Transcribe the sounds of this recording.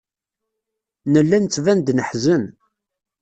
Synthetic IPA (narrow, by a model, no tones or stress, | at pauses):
nəlːænt͡sːvænd̪nəħzən